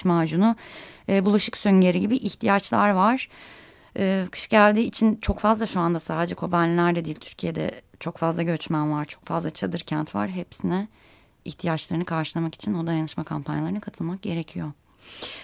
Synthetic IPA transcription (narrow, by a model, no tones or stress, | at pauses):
maːd͡ʒunuːbulˠaʃɯksøɲɟeɾiɟibiʔiçt̪ʰijat͡ʃlˠaɾvaɾ̥ | ɯːkʰɯ̥ʃɟælʲd̪iːt͡ʃʰint͡ʃʰo̞kfazlˠaʃuand̪asaːd̪ed͡ʒɛkʰo̞banʲlʲæɾd̪ɛd̪ijilʲt̪ʰy̥ɾcʰijed̪ɛ̰t͡ʃʰo̞kfazlˠaɟø̞t͡ʃmænvaɾt͡ʃʰo̞kfazlˠat͡ʃʰad̪ɯɾcʰænt̪va̰ɾɦepsinɛ | içt̪ʰijat͡ʃlˠaɾɯnɯkʰaɾʃɯlˠamaki̥t͡ʃʰino̞d̪ajanɯʃmakʰampʰanjalˠaɾɯnɯkʰat̪ʰɯlˠmak̚ɟe̞ɾe̞cʰijo̞